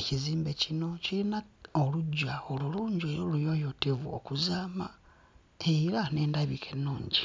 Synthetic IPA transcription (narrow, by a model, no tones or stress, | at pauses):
eciziːmbe̞cino̞cilinaoluɟaoluluːɲɟeolujo̞jotevuo̰kuzaːma | eiɾane̞ːndaβikʰe̞nuːɲɟi